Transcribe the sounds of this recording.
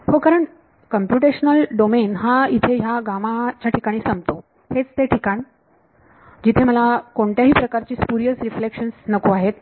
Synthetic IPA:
hokaɾəɳ | kəmpjuʈ̬eɕnəlɖomenɦait̪ʰejaɡamat͡ɕjaʈʰikaɽ̃iːsəmt̪o | het͡st̪eʈʰikaɳ̃i | d͡ʑit̪ʰeməlakoɳt̪jaɦiːpɾəkaɾt͡ɕiːspuɾijəsɾiflekʂənsnəkuaɦet̪̚

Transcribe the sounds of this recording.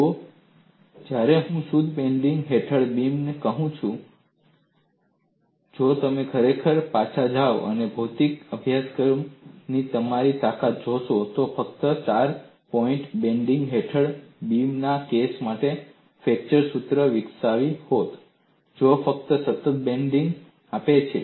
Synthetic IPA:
o | d͡ʒjaɾeɦũsud̪ʱbẽɳɖɪŋɡɦeʈʰəɽbimnekəɦũt͡ʃʰũ | d͡ʒot̪əmekʰəɾekʰəɾpat͡ʃʰad͡ʒaʋə̰nebʱut̪ikəbʱjaskəɾmnit̪əmaɾit̪akat̪̚d͡ʒoʃot̪ofəkt̪ət͡ʃaɾ | pɔĩɳʈbẽɳɖiŋɡɦeʈʰəɭbimnakesmaʈe | fɛk̚t͡ʃəɾsut̪ɾəʋɪksaʋihot̪ | d͡ʒofək̚t̪əsət̪ət̪̚bẽɳɖiŋɡ | apet͡ʃʰe

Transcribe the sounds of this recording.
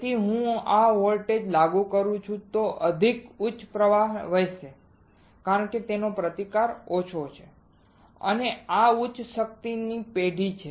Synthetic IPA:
t̪iɦũaɦolʈed͡ʒlaɡũkəɾũt͡ʃʰũt̪oʔəd̪ʱikut͡ʃpɾəʋaɦʋəjʃe | kaɾəɳket̪enopɾət̪ikaɾot͡ʃʰot͡ʃʰe | ə̰neaut͡ʃʃək̚t̪inipeɖʱit͡ʃʰe

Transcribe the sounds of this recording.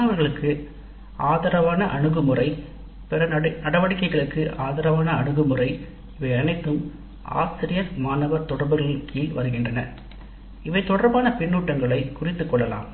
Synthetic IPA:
ɐʋɐɾɣɐɭɯkʰːɯ | aːðɐɾɐʋaːnɐʔɐɳɯɣɯmɯrɐɪ | pɛɾɐnɐɽɐʋɐɽɪkːɐɪɣɐɭɯkːɯʔaːðɐɾɐʋaːnɐɐɳɯɣɯmɯrɐɪ | ɪʋɐɪɐnɐɪt̪ːɯm | ʔa̰ːsɪɾɪjɐɾmaːnɐʋɐɾt̪ɔɽɐɾbɯɣɐɭɪlkʰiːlʋɐɾɯɣɪndrɐnɐ̰ | ɪʋɐɪt̪ːɔɽɐɾbaːnɐpɪɳːuːʈːɐŋɡɐɭɐɪkʊrɪt̪ːɯkːɔɭːɐla̰ːm

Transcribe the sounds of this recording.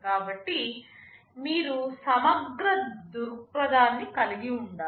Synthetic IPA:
kaːbɐʈːi | miːɾusɐmɐɡɾɐd̪uɾpɾɐd̪ʱaːnːikɐliɡiuɳɖaː

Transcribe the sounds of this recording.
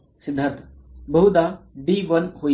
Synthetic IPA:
sɪd̪ʱɐt̪ | bɐɦud̪aːɖiːʋɐnhoː

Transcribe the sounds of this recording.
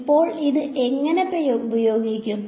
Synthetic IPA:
pːo̞ːɭiðɨʔe̞ŋːɐnepːeubɐjo̞ːɡikʲːum

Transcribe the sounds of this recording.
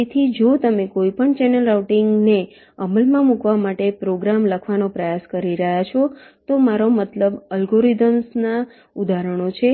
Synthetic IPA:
et̪ʰid͡ʒot̪əmekoipəɳt͡ʃɛnəlɾawʈiŋɡne | əməlmãmukʋamaʈepɾoɡɾamləkʰʋanopɾəjaskəɾiɾəɦjat͡ʃʰot̪omaɾomət̪ləbəlɡoɾid̪əmsna | ud̪aɾəɳ̃ot͡ʃʰe

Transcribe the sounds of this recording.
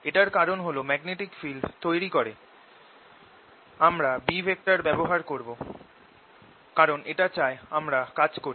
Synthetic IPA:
eʈaɾkaɾonɦolomɛɡneʈikfilɖt̪ojɾikoɾe | amɾabibʱek̚ʈaɾbɛboɦaɾkoɾbo | kaɾoneʈat͡ɕaeamɾakad͡ʑkoɾ

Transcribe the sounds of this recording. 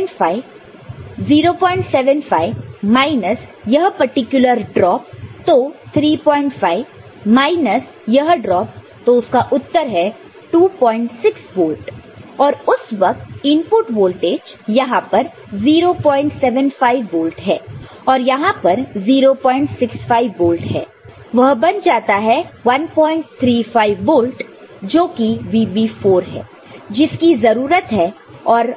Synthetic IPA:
faɪ | ziːɾopɔːɪ̃ɳʈsɛːʋə̃nfaːɪʋmaːɪnəsjɐɦpɐɾʈɪkjʊləɾɖɾɔːp̚t̪ot̪ʰɾiːpɔ̃ːɪ̃ɳʈfaːɪʋ | maːɪnəs | jɐɦɖɾɔːp̚ | t̪oʊskaʔʊt̪ːəɾɦɛ | ʈuːpɔːɪ̃ɳʈsɪksboːlʈɔːɾʊsʋɐk̚t̪ɪ̃mpʊʈʋoːlʈeːd͡ʒjɐɦãpɐɾ | ziːɾopɔ̃ːɪ̃ɳʈsɛʋə̃nfaːɪʋːoːlʈɦɛː | ɔːɾjɐɦãpɐɾziːɾopɔːɪ̃ɳʈsɪksfaːɪʋːoːlʈɦɛ̰ː | ʋɐɦbɐnd͡ʒaːt̪aɦɛʋɐnpɔ̃ːɪ̃ɳʈ̚t̪ʰɾiːfaːɪʋboːlʈd͡ʒoːkiʋiːbiːfoːɾɦɛ̰ː | d͡ʒɪskizɐɾuːɾət̪ɦɛː | ɔːɾ

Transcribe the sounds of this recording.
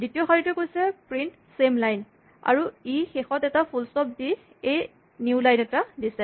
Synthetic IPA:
zitiɔxaɹitɛkojsɛpɹint | semlajn | a̰ɹuixexɔtɛtapʰulstɔp̚di | ej | njulajnɛtadisɛ

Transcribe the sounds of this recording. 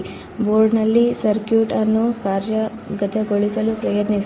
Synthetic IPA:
boːɾɖnɐlːisɐɾkjuːʈɐnːukaːɾjɐ | ɡɐt̪eɡoɭisɐlupɾɐjɐd̪nis

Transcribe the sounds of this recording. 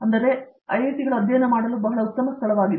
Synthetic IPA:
ɐnd̪ɐɾe̞ɐ̰jit̪iɡɐɭuɐd̪jɐjɐnɐmaːɽɐluːbɐɦɐɭɐut̪ːɐmɐst̪ʰɐɭɐʋaːɡid̪e

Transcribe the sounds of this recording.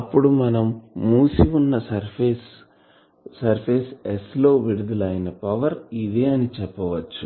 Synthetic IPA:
ɐpːuɽumɐnɐmːuːsiunːɐsɐɾpesː | ɐɾpʰeːseslo̞ːʋiɽud̪ulɐjinɐpɐʋɐɾid̪eːɐnit͡ʃɛpːɐʋɐt͡ʃːu

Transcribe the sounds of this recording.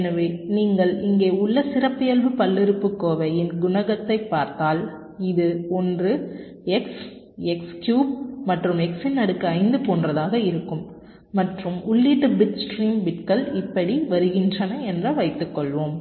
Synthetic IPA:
ɛnɐʋeːniːŋɡɐɭɪŋɡeːʊɭːɐsɪrɐpːɪjɐlʋɯpɐlːɪɾɯpːɯkːoːʋɐjɪnɡʊnɐɣɐt̪ːɐɪpːaːɾt̪aːl | ɪðɯɔndrɯ | ɛks | ɛkskjuːb̚mɐʈrɯmɛksɪnːɐɽɯkːɯɐɪnd̪ɯpoːndrɐðaːɣɐɪɾɯkːɯmː | ɐʈrɯmʊɭːiːʈːɯbɪt͡ʃsʈɾiːmbɪʈkɐɭɪpːɐɽiʋɐɾɯɣɪndrɐnɐɛndrɐʋɐɪt̪ːɯkːɔɭʋoːm

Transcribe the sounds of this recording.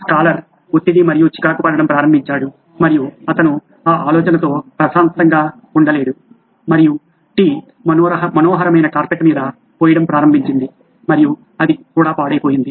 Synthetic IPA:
skaːlɐɾ | ot̪ːid̪imɐɾijut͡ʃi̥kaːkupɐːɾɐɽɐmpɾaːɾɐmbʱiɲt͡ʃaːɽu | mɐɾijuɐt̪ɐnu | aːʔaːlɔːt͡ʃɐnɐt̪o̞ːpɾɐʃaːnt̪ɐŋɡaː | uɳɖɐle̞ːɽu | mɐɾiju | ʈiː | mɐmɐnoːɦɐɾɐmɐjnɐkaːɾpɐʈmiːd̪ɐ | poːjɐɽɐmpɾaːɾɐmbʱiɲt͡ʃind̪i | mɐɾiju | ɐd̪ikuːɽaːpaːɽɐjpoːjind̪i

